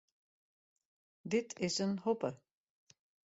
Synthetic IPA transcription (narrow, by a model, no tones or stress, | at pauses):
d̪ɪt̪ʰɪsənhɔpə